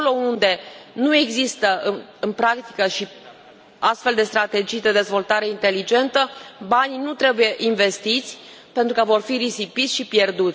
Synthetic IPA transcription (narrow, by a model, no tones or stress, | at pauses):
olo̞und̪e̞nue̞ɡzist̪əɨɨnpɾakt̪i̥kəʃi | ast̪fe̞ld̪e̞st̪ɾat̪e̞d͡ʒijd̪e̞d̪e̞zvo̞lt̪aɾe̞int̪e̞lid͡ʒe̞nt̪əbaninut̪ɾe̞buje̞ʔinve̞st̪it̪sʲ | pe̞nt̪ɾukəvo̞rfiɾisipit̪sʲʃipje̞rd̪ut̪ʲ